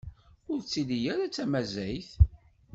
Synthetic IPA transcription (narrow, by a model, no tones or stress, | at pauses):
ʊɾt͡sːilijæɾat͡sːæmæzæjθ